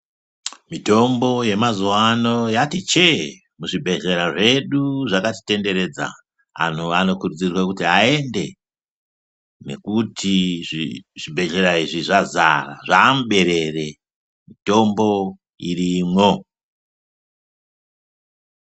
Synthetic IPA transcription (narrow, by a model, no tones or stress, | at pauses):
mito̞mbo̞je̞mazuwano̞jatit͡ʃe̞ | muʐibʱe̞ʒe̞ɾaʐe̞ɗuʐakati̥te̞nde̞ɾe̞d͡za̰ | a̰n̤uano̞kurud͡zirwakutiae̞nde̞ | ne̞̰kutʰiʐiʐ̥ibʱe̞ɮe̞ɾaiʐiʐaza̰ra̰ʐamuɓe̞ɾe̞re̞ | mito̞mbo̞ | irimwo̞